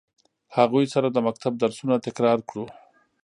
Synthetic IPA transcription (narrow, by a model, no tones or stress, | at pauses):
haɣujsaɾad̪əmak̚t̪ab̚d̪aɾsunat̪ɪkɾɑɾkɽu